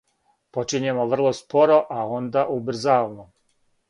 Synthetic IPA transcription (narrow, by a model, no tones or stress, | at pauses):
po̞t͡ʃiɲemoʋr̩lˠospo̞ɾo̞ʔao̞nd̪aʔubr̩zaːlno